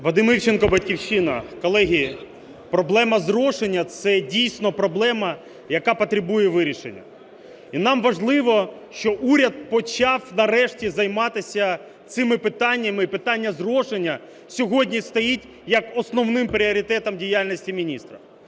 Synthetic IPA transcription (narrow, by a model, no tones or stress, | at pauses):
ʋɐd̪ɪmɪt͡ʃenkɔbɐtʲkʲiwʃinɐ̰kɔlˠɛɦʲi | pɾɔblˠɛmɐzrɔʃenʲːɐt̪sɛdʲijsʲnɔpɾɔblˠɛmɐ | jɐkɑpɔt̪ɾɪbujɛʋɪɾʲiʃenʲːɐ̰ | inɑmʋɐʒlˠɪʋɔʃt͡ʃɔʔuɾʲɐd̪̚pɔt͡ʃɑwnɐrɛʃtʲizɐjmɑt̪ɪsʲɐ | t̪sɪmɪpɪt̪ɑnʲːɐmɪipɪt̪ɑnʲːɐzrɔʃenʲːɐ | sʲɔɦɔdʲnʲist̪ɐjitʲ | jɐkɔsnɔwnɪmpɾʲiɔɾʲɪt̪ɛt̪ɐmdʲijalʲnʲisʲtʲimʲinʲist̪ɾɐ